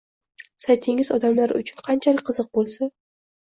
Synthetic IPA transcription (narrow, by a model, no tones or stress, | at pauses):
sajt̪ʰɪŋɪzɒd̪amlaɾʊ̰t͡ʃʰʊnqʰɑnt͡ʃʰalɪkʲqɨzɨq̚bolˠsa